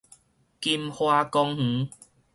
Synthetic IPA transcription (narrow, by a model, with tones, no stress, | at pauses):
ki˧mhwa˧kɔ˧ŋh̩˨˦